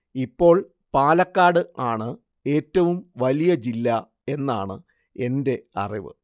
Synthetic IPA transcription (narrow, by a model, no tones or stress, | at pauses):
ipːo̞ːɭ | paːlɐkːaːɽɨʔaːɳɨ | e̞ːtːɐʋumʋɐlijɐd͡ʑilːɐ | e̞nːa̰ːɳɨ | e̞nde̞ɐ̰riʋɨ̰